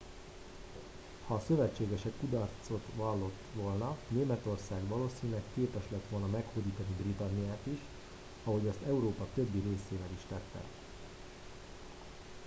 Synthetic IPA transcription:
hɒːsø̞vɛt͡ʃːeːɡɛʃɛkːud̪ɒrt̪so̞t̪ʋɒlːo̞t̪ːʋo̞lnɒneːmɛt̪o̞rsaːɡʋɒloːsiːnilɛkːeːpɛʃlɛt̪ʋo̞lnɒmɛkhoːd̪iːt̪ɒnibrit̪ɒnːijaːt̪iʃ | ɒɦo̞ɟɒst̪ɛuɾoːpɒt̪ø̞bːiɾeːseːvɛliʃt̪ɛt̪ːɛ̰

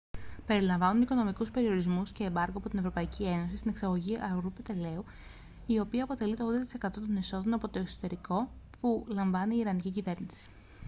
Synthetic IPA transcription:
pe̞ɾilɐɱvɐnuniko̞no̞mikuspe̞ɾio̞ɾizmusce̞ːbɐɾɣoɐpo̞t̪ine̞vɾo̞pɐicʰie̞no̞sist̪ine̞ksɐɣo̞ʝiʔɐɣɾupet̪e̞le̞u | io̞piɐːpo̞t̪e̞lit̪o̞ɣðd̪ɐt̪i̥se̞kɐt̪o̞t̪̬o̞neso̞ðo̞nɐpo̞t̪o̞eksot̪e̞ɾiko̞ | pulɐɱvɐniːɾɐnicicive̞ɾnisi̥

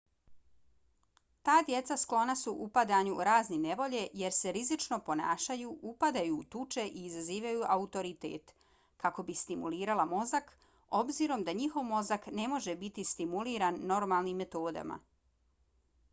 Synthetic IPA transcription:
t̪aːd̪je̞t̪sasklˠo̞nasuʔupad̪aɲuɾaːznine̞ʋo̞ʎe̞je̞ɾse̞ɾizit͡ʃno̞po̞na̰ːʃajuʔupad̪ajuːt̪ut͡ʃe̞ʔiːzaziːʋajuʔaut̪o̞ɾit̪ḛːt̪ | kako̞bist̪imuliːɾalamo̞zak | o̞bziɾo̞md̪aɲixo̞ʋmo̞zakne̞mo̞ʒebit̪ist̪imuliːɾanːo̞ɾmaːlˠnimːe̞t̪oːd̪a̰ma̰

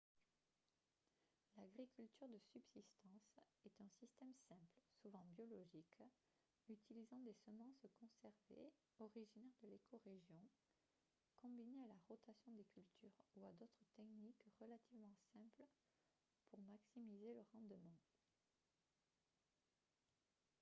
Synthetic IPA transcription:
laɡʁikʲylt̪yʁd̪əsybsist̪ɑ̃s | ɛt̪ɛ̃sist̪ɛmsɛ̃plsuvɑ̃bjɔlɔʒik | yt̪ilizɑ̃d̪esəmɑ̃skɔ̃sɛʁvḛ | ɔʁiʒinɛʁd̪əlekʰɔʁeʒjɔ̃ | kɔ̃binealaʁɔt̪asjɔ̃d̪ekʲylt̪ʰyʁuad̪ot̪χət̪ɛknikʁəlat̪ivmɑ̃sɛ̃pl | pʰuʁmaksimizeləʁɑ̃d̪mɑ̃

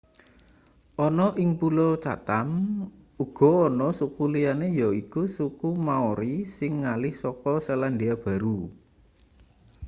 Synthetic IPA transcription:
ʔɔnɔʔɪŋpulot͡ʃ̪a̰t̪am | uɡ̥ɔ̤ɔnɔsukulijanejɔikusukumaoɾisɪŋːalɪhsɔkɔsəlanɖiab̥a̤ɾu

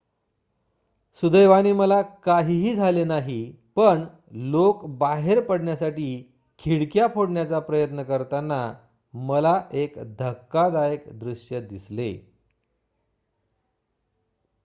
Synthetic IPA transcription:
sud̪əjʋañiːməlakaɦiːɦiːd͡zʱalenaɦi | pəɳ | lokbaɦeɾpəɽɳjasaʈiː | kʰiɽkjapʰoɽɳjat͡sapɾəjət̪nəkəɾt̪anːa | məlaʔekd̪ʱəkːad̪ajəkd̪ɾuɕjəd̪islḛ

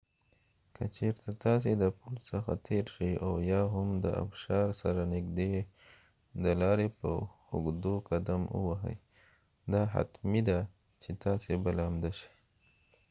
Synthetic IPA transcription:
kʰət͡ʃeɾt̪at̪ɑs̬ed̪əpulsəxa̰t̪ʰeɾʃəjawjɑɦamd̪ə̰ʔa̰bʃɑɾsaɾanɪɡd̪e | d̪əlɑɾepə̰ | ʊ̰ɡd̪okad̪amə̰waɦə̰j | d̪ɑɦa̰t̪mid̪a | t͡ʃet̪ɑsebalɑmd̪aʃi̥j

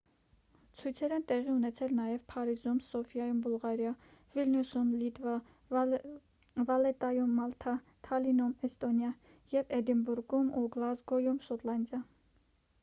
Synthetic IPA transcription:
t͡sʰujt͡sʰɛɾɛnt̪ɛʁiunɛt͡sʰɛlnɑjɛvpʰɑɾizumsɔfjɑjumbulʁɑɾjɑ | vilnusumlit̪vɑ | vɑlɛt̪ɑjumːɑlt̪ʰɑ | t̪ʰɑlinɔmɛst̪ɔnjɑ | jɛvɛd̪imbuɾɡumuɡlɑzɡɔjumʃɔt̪lɑnd̪jɑ

